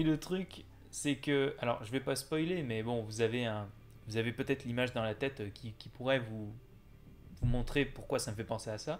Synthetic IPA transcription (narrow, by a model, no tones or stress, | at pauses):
ilət̪χyk | sɛkəalɔ̰ʁʒəvɛpaspɔjlemɛbɔ̃vuzaveɛ̃ | vuzavepøt̪ɛt̪χlimaʒd̪ɑ̃lat̪ɛt̪økʲikʲipuʁɛvu | vumɔ̃t̪χepuʁkwasaməfɛpɑ̃seasa